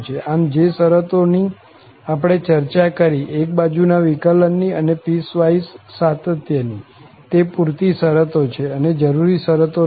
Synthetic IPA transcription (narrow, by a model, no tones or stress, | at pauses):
t͡ʃʰeʔamd͡ʒesəɾət̪oni | apɽ̃et͡ʃəɾt͡ʃakəɾiʔek̚bad͡ʒunaʋikələnːiənepisʋaisːat̪ət̪jəni | t̪epuɾt̪isəɾət̪ot͡ʃʰeəned͡ʒəɾuɾisəɾət̪o